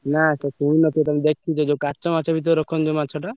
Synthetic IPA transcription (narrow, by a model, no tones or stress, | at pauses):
nasesuinɔt̪ʰiet̪amid̪ekʰit͡ʃʰɔd͡ʒewkat͡ʃɔmat͡ʃʰɔbʱit̪ɔɾɾɔkʰɔnd͡ʒemat͡ʃʰɔʈa